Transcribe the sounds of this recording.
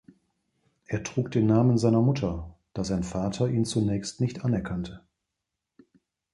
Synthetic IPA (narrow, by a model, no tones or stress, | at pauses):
ʔeːɐtʁ̥uːk̚d̥eːnːaːmənzaɪnɐmʊtʰɐd̥aːzaɪnfaːtʰɐiːnt͡sunɛːçstnɪçtʔanɛɐkʰantʰə